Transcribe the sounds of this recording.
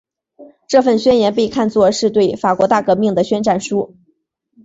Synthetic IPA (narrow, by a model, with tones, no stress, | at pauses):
ʈ͡ʂɤ˥˧fə˥˩nɕɥɛ˥njɛ˧˥npe˥˧ɪkʰa˥˧nt͡swɔ˥˧ʂɻ̩˥˧t̪we˥˩ɪfa˨˩kwɔ˧˥t̪a˥˩kɤ˧˥mi˥˩ŋd̪ə˩ɕɥɛ˥nʈ͡ʂa˥˩nʂu˥